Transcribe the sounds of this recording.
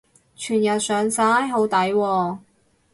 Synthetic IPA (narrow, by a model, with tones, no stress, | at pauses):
t͡ʃʰyː˨˩njɐ˨t̚sœː˨˧ŋsaː˨˥jɦo˨˥wt̪ɐ˨˥jwɔː˧